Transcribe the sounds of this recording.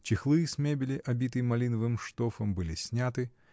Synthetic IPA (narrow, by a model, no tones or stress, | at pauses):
t͡ɕɪxlˠɨjɨsʲmʲebʲɪlʲɪʔɐbʲit̪ɨjmɐlʲinəvɨmʂt̪ofəmbɨlʲisʲnʲat̪ɨ